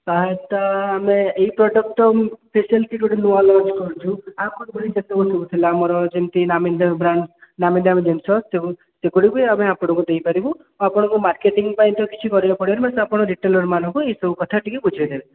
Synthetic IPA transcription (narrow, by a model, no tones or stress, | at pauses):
k̪aɦet̪aːmeːɦipɾɔɖɔk̚ʈɔpʰesialʈikoɽinualɔ̃t͡ʃkɔɾut͡ʃʰuakuɽibɔɽid͡ʒet̪ɔkusɔbut̪ʰilaːmɔɾɔd͡ʒent̪inamind̪ambɾannamind̪ʱamed͡ʒensɔst̪eu | sekoɽibɔiameapɔɽ̃ɔ̃kud̪ejpaɾibu | apɔɽ̃ɔ̃ŋkumaɾkeʈiŋɡpaĩnt̪ɔkit͡ʃʰikɔɾibapɔɽibaɾemasapɔɽ̃ɔɾiʈelɔɾmanɔ̃ŋkueisɔbukɔt̪ʰaʈikibud͡ʒʱaid̪ebe